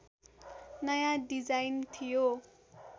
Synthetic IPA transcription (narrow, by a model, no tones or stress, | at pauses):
nʌjãdid͡zajnt̪ʰijo